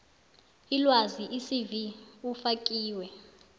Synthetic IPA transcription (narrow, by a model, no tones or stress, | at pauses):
ilwaziʔisiviufakʼiːwɛ